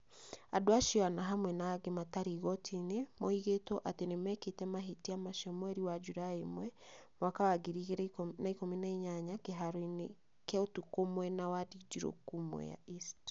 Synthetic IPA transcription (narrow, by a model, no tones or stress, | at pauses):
adoaʃiɔanaɦamwɛnaɡemataɾiɣɔtʰinemoiɣetɔʔatenemɛketɛmaɦitiamaʃɔmwɛɾiwad͡ʒuɾaemwɛmwakawaɡiɾiɣeɾnaikominaiɲaɲakeɦaɾoin | kɛotukomwɛnawadid͡ʒiɾo̰kumwɛ̰ja̰ist